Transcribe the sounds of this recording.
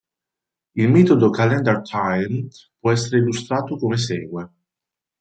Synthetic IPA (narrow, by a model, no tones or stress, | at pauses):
ilmɛːt̪od̪okalɛnd̪ɛrt̪ʰajnpwɔɛsːeɾeilːust̪ɾaːt̪okomes̬ɛːɡwe